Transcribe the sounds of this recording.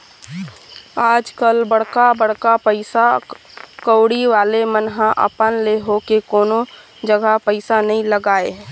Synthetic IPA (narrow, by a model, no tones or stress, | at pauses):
aːd͡ʒkəlbəɽkabəɽ̤kapəɪsa | kəːɽiʋaːlemənɦãʔə̰pənleɦokekoːno | d͡ʒəɡapəɪsanɐɦĩləɡaːeɦɛː